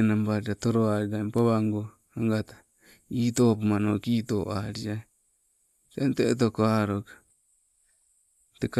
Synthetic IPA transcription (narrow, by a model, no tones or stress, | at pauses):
nambaɾiɾat̪oɾoaɾiɾaimpaβaŋɡo | aŋɡat̪ḁ | it̪opumanokit̪oʔaɾia | tent̪et̪̬okoaɾokḁ | tek